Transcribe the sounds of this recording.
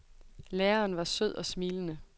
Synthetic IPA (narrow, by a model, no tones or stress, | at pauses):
leːɐːnʋɑ̈søð̞̰ˠɒ̽smiːlənə